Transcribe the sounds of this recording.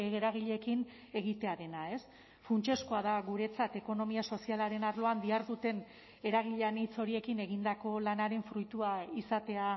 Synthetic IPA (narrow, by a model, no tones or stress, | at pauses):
eɣeɾaɣ̞iʎe̞kin | e̞ɣ̞it̪e̞aɾe̞nae̞s | funt͡ʃe̞skoað̞aɣuɾe̞t͡sat̪e̞ko̞no̞miaso̞sialaɾe̞naɾlo̞and̪iaɾðut̪e̞n | e̞ɾaɣ̞iʎanit͡so̞ɾie̞kine̞ɣind̪ako̞lanaɾe̞ɱfɾujt̪uaisat̪e̞a